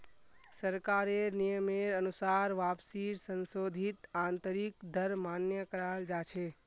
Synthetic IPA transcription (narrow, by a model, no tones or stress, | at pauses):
səɾkaɾenijəmeɾənusaɾʋapsiɾsənsod̪ʱit̪ãnt̪əɾik̚d̪ʱəɾmanjəkəɾald͡ʒat͡ʃʰe